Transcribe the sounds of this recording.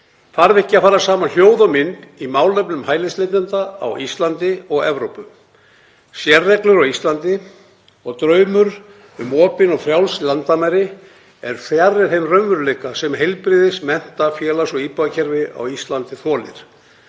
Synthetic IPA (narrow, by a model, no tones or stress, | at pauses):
faɾvɪhcɪafaːɾasaːmanl̥joːwðamɪnimaːwlœpnʏmhaːjlɪslet̪ɪnt̪aa̰wist̪lant̪ɪɔɣɛvɾowpʏm | sjɛrːɛklʏɾɔwist̪lant̪ɪ | ɔɣt̪ɾœɥmʏɾ | ʏmɔːpɪnɔɣfɾjawlslant̪amɛɾɪ | ɛɾ̥θjarːɪθejmrœɥvʏɾleːkasɛmɦejlpɾɪːðɪsmɛn̥t̪afjɛːlasɔɣiːpaðacʰɛɾvɪa̰wist̪lant̪ɪθɔːlɪ̰ɾ̥